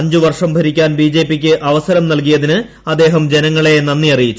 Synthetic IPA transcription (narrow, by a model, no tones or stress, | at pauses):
ɐɲd͡ʑuʋɐrʂɐmbʱɐɾikʲːaːnbiːd͡ʑe̞ːpːikʲːɨʔɐʋɐsɐɾɐmnɐlk̬ijɐðinɨ | ɐd̪ːe̞ːɦɐmd͡ʑe̞nɐŋːɐɭe̞nɐnːijɐrijit͡ɕːu